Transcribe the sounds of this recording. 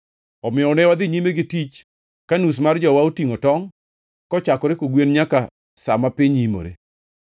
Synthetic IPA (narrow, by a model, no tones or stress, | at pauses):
ɔmɪɔnɛwad̪ɪɲimeɡɪtit͡ʃ | kanus̬mard͡ʒɔwaotiŋotɔŋ | kɔt͡ʃakɔɾekoɡwenɲaka | samapɪɲimo̰ɾḛ